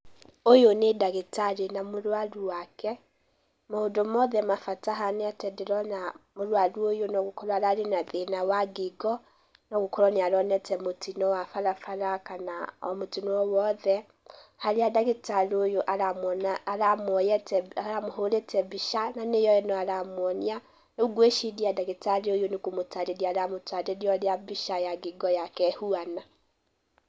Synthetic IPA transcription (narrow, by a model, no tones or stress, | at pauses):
ojonedaɣetaɾenamoɾwaɾuwakɛ | moodomɔðɛmafataɦaneatɛdɛɾɔnamoɾwaɾuojonɔɣokɔɾɔaɾaɾenaðenawaɡeɡɔ | nɔɣokɔɾɔneaɾɔnɛtɛmotinɔwafaɾafaɾakanaɔmotinɔwɔwɔðɛ | haɾeadaɣetaɾojoʔaamɔnːɾamwɔjɛtɛaɾamoɦoɾetʰɛbiʃananejɔɛnɔaɾamwɔnia | euɡweʃiðiadaɣetaɾeojonekomotaɾeɾiaɾamotaɾeɾiɔɾeabiʃajaɡiɡɔjakɛhuana